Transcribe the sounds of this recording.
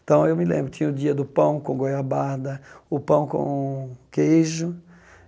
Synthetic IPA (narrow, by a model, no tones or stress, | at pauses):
t̪ɐ̃w̃ewmɪlẽmbɾʊt̪ĩɲɐʊd̪iɐd̪ʊpɐ̃w̃kõɡojabaɾd̪ɐʊpɐ̃w̃kõ̰kejʒʊ